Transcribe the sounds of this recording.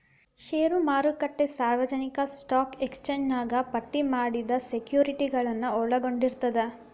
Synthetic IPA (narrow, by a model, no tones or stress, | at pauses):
ʃeːɾumaːɾukɐʈːesaːɾʋɐd͡ʒɐnikɐsʈaːkekst͡ʃeːɲd͡ʒnaːɡɐpɐʈːimaːɽid̪ɐsekjuːɾiʈiɡɐɭɐnːuɔɭɐɡo̞ɳɖiɾt̪ɐd̪e